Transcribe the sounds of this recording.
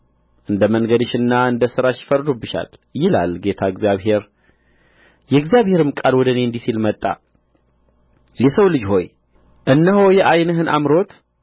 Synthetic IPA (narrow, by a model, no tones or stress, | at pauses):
ʔɨnd̪əməŋɡəd̪ɨʃɨnːaɨnd̪əsɨɾaʃɪ̥fəɾd̪obɨʃa̰ljɪla̰lɡet̪ʰaɨɡzijaβɦe̞ɾ | jɛɨɡzjaβhe̞ɾɨmkʼalwɔd̪əneɨnd̪isilmət̪ʼːa̰ | jɛsəwlɨd͡ʒho̞j | ʔɨnːəɦojɛʔajnəɦɨnʔa̰mɾo̞t̪